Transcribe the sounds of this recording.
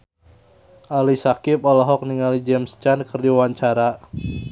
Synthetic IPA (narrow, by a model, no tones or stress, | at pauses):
ʔalisakɪpɔlɔɦɔk̚niŋalid͡ʒɛmst͡ʃankərdiwaɲt͡ʃaɾa